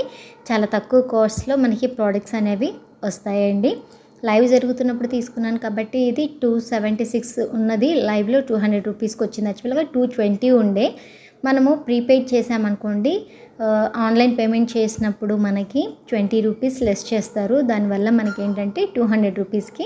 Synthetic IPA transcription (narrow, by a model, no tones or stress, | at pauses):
t͡ʃaːlaːt̪ɐkːuʋɐkoːɾslo̞ːmɐnɐkipɾaːɖɐk̚ʈsɐne̞ːʋi | ʋɐst̪aːjɐɳɖi | lɐjʋd͡ʒɐɾuɡut̪unːɐpːuɽut̪iːsu̥kunːaːnukaːbɐʈːiːd̪iʈuːseʋeɳʈisiksunːɐd̪ilɐjʋlo̞ːʈuːɦɐɳɖɾeɖɾuːpiːskiʋot͡ʃːind̪ɐt͡ʃːupɐlɐɡaːʈuːʈʋeɳʈiuɳɖeː | mɐnɐmupɾipeːʈ̚t͡ʃɛːsaːmɐnukoːɳɖi | aːnlɐjnpeːme̞ɳʈ̚t͡ʃeːsinɐpːuɽumɐnɐkiʈʋeɳʈiɾuːpiːslesʈt͡ʃeːst̪aːɾud̪aːniʋɐlːɐmɐnɐke̞ːɳʈɐɳʈe̞ːʈuːɦɐɳɖɾe̞ɖɾuːpiːski